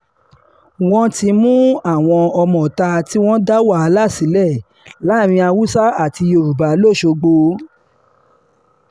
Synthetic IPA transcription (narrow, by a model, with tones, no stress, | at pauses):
w̃ɔ̃˦ti˧mũ˦a˦˨w̃ɔ̃˧ɔ˧mɔ̃˨ta˧ti˦w̃ɔ̃˦da˦wa˦˨˧la˦˨si˨˦lɛ˦˨ | la˨˦˨ɾ̃ĩ˧a˧wu˦sa˦a˦˨ti˧o˧ɾu˨ba˨lo˦˨ʃo˧ɡ͡bo˧